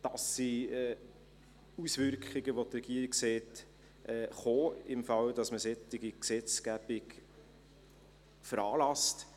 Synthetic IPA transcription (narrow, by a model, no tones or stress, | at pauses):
d̥ɑsːiɛ | usvʏɾkχɪɡəʋot̪rɛɡ̥iəɾikseːt | ʔɛχoːɪmfɑld̥ɑsməsɛt̪ːɪɡiksɛt͡sɡ̥æb̥ɪɡ | fəɾɑːlɑst